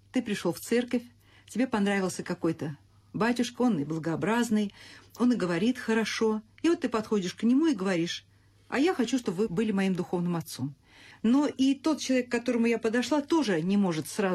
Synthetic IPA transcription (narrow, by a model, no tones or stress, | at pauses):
t̪ɨpɾʲɪʂloft̪sɛrkəfʲ | tʲɪbʲe̞pɐnɾavʲɪlˠsʲəkɐko̞jt̪ə | batʲʊʂkəo̞nɪblˠəɡəɐbɾaznɨjo̞nɨɡəvɐɾʲit̪xəɾɐʂo̞ɪvot̪ːɨpɐt̪xo̞dʲɪʂknʲɪmuɪɡəvɐɾʲiʂ | ɐ̰jaxɐt͡ɕuʂt̪o̞bvɨbɨlʲɪmɐimd̪ʊxo̞vnɨmɐt̪so̞m | no̞ʔit̪o̞t̪̚t͡ɕɪlˠɐvʲekːɐt̪o̞ɾəmʊjapəd̪ɐʂlˠat̪o̞ʐɨnʲɪmo̞ʐɨt̪sra